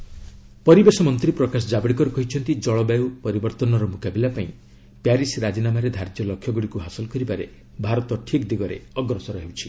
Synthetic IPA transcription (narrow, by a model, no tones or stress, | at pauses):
pɔɾibesɔmɔnt̪ɾipɾɔkas̬ɔd͡ʒabɽikɔɾukɔɦit͡ʃʰɔnt̪id͡ʒɔɭɔbawpɔɾibɔɾt̪ɔnɔɾɔmukabilapaĩ | pjaɾisɾad͡ʒinamaɾed̪ʱaɾd͡ʒjɔlɔkʰjɔɡuɽikuɦasɔlɔkɔɾibaɾe | bʱaɾɔt̪ɔʈʰikd̪iɡɔɾḛɔɡɾɔsɔɾɔɦewt͡ʃʰi̥